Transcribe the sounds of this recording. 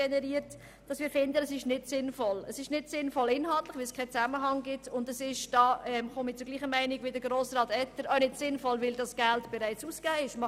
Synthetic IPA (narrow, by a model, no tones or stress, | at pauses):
ɛnɛɾiːəɾt | d̥ɑsmiːɾfɪndəəsɪʃnɪtsɪnfɔləsɪʃnɪtsɪnfɔlɪnɦɑltlɪχʋɪlskʰɛɪt͡sæməɦɑŋɡɪtʊndəsɪʃd̥ɑːɛmχomit͡sʊɡliːχəmæɪniɡʋɪdəɾɡɾoːsrɑːtɛtːəɾawnɪtsɪnfɔlʋɪldɑsɡ̥æltb̥ɛɾæɪt͡suːsɡ̥aːɪʃm